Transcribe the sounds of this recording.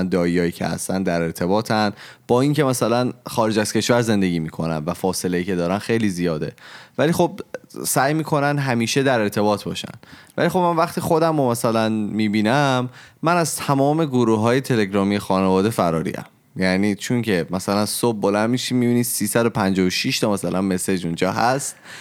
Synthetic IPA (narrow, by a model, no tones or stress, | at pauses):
nd̪ɒːijɒːjiːcʰḛhæ̰st̪ænd̪æɾe̞ɾt̪ʰe̞bɒːt̪ʰænb̥ɒːiŋce̞mæsælænχɒːɾed͡ʒæz̥cʰe̞ʃvæɾze̞nd̪eɟiːmiːkʰo̞næ̰nvæfɒːse̞lejiːcʰe̞d̪ɒːɾænxejliːzijɒːd̪e̞̰væliːxo̞b̚sæjmiːkʰo̞nænd̪ɦæmiːʃe̞d̪æɾe̞ɾt̪ʰe̞bɒːt̪ʰbɒ̰ːʃæ̰n̥væ̰lixo̞bmænvæχt̪iːxod̪æmomæsælænmiːbiːnæmːænæz̥t̪ʰæmɒːme̞ɡoɾuɦɒːje̞t̪ʰe̞le̞ɡɾɒːmijexɒːnevɒːd̪e̞fæɾɒ̰ːɾḭːæ̰m | jæniːt͡ʃʰoŋcʰe̞mæsælænsob̚ːolænd̪miʃiːmiːbiːni̥ːsiːsæd̪o̞pʰænd͡ʒɒːjoʃiʃt̪ʰɒmæsælʔænme̞se̞d͡ʒund͡ʒɒ̰ːɦæst̪